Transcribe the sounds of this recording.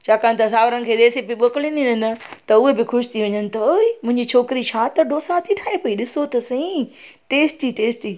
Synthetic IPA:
t͡ɕʰaːkaːnt̪ɐsaːʋɾənɪ̆kʰeːɗeːsepiɓɐklĩːnd̪inɐnɪ̆t̪ɐʊɦebɪxʰʊʃt̪ʰiʋɐɲənɪ̆t̪ɐoimʊ̃ɪ̃ɲd͡ʑit͡ɕʰoːkɪɾit͡ɕʰaːt̪ɐɖoːsãt̪ʰiʈʰaːepɐiɗɪsot̪ɐsɐ̃ĩ | ʈeːsʈiʈeːsʈiː

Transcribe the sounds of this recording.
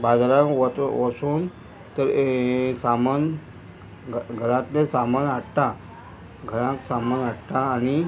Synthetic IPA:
bad͡zɾãkt̪ʋəsuːn | t̪əɾsaman | ɡʱəɾãt̪nesamənaɽt̪a | ɡʱəɾãksamənaɽʈ̪aːni

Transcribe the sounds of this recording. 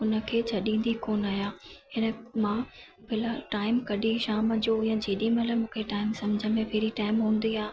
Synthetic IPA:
ʊnə̆kʰeːt͡ɕʰɐɗĩːn̆d̪ikoːnaːjaːɦɪnəmãː | bɪlaʈaːɪmkɐɗĩʃaːməd͡ʑoːjãd͡ʑeːɗĩmɐləmũːkʰeʈaːɪmsɐmd͡ʑʱəmẽpʰɪɾiʈaːɪmɦũːn̆d̪iaː

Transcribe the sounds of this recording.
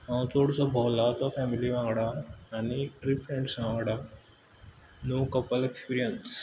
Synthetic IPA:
ɦãt͡ʃoːɽsabʱɔːlaːt̪ɔfʰɛːmiliʋãːŋɡɽaaniɾipɾẽɳɖsʋãːŋɡɽa | noːkɐpəlekspiːɾijəns

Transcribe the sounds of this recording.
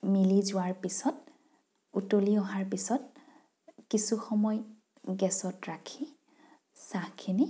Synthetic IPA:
milizʊwaɹpisɔt̚ | utoliɔɦaɹpisɔt̚ | kisuxɔmɔj | ɡɛsɔtɹakʰi | sãkʰini

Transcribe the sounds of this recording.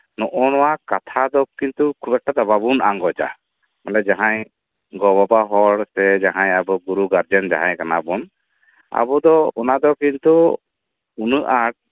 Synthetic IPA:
nɔʔɔnɔwakat̪ʰad̪ɔkint̪ukʰubɛʈːad̪ababunaŋɡɔd͡ʒa̰ | mɛlɛd͡ʒaɦaj | ɡɔbɔbaɦɔɽsɛd͡ʒaɦãɲabɔɡuɾuɡaɾd͡ʒɛnd͡ʒa̰ɦãjkanabɔn | a̰bɔd̪ɔɔnad̪ɔkint̪u | unəʔaʈ̚

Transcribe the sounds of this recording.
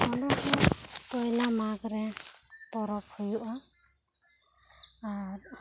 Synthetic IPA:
ɔnɔkɔkɔjlamaɡɾɛt̪ɔɾɔp̚ʰhujuʔɔ | aɾ

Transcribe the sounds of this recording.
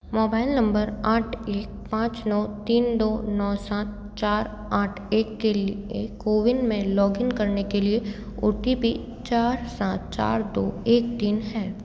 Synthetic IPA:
moːbaːɪlnɐ̃mbəɾaːʈʰeːk̚pãːt͡ʃnɔːt̪iːnd̪oːnɔːsaːt̪̚ | t͡ʃaːɾ | aːʈʰeːkːelekoːʋɪnmẽlɔːɡɪŋkɐɾnekelie | ʊ̰ʈipi | t͡ʃaːɾsãːt̪̚t͡ʃa̰ːɾd̪oːeːk̚t̪iːnɦɛː

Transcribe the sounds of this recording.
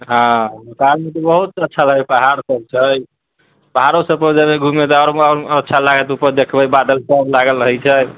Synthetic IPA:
ɦãnepalmet̪ɔbəɦut̪ətːʃʰaləɡɛpəɦaɾsəb̚t͡ʃʰəj | pəɦaɾosəb̚pəd͡ʒəbeɡʱumet̪ɔaɾəɾətːʃʰalaɡət̪upəɾd̪ekʰbəjbad̪əlsəblaɡəlɾəɦɛt͡ʃʰə

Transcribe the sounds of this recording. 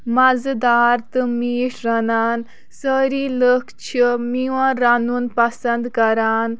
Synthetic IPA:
mɐzd̪aːɾt̪ɨmiːʂɾɐnaːn | səɾiləkʰt͡ʃʰimiʋãɾanuːnpɐsɐnd̪kɐɾaːn

